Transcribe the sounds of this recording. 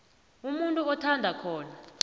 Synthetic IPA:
umuntʼuɔtʰandʱakʰɔːna

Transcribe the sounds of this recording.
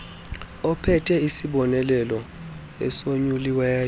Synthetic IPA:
ɔpʰɛtʰʼɛisiɓɔnɛlɛlɔ | ɛ̰soɲuliwɛ

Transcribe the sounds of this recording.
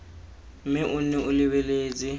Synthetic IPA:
mɪʔʊnɛʔʊlɪβɛleːt͡sʼɪ

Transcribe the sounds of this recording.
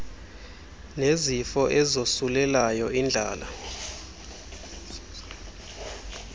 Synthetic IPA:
nezifɔʔɛzosulɛlajɔind͡ɮʱa̰ːla

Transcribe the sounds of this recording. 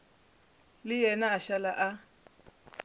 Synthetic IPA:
lɪjɛnaʃalaʔa

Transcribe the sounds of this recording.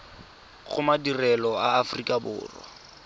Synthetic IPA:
ɣʊmadirɛlɔaːfrikʼabʊ̰ːrwɔ̰

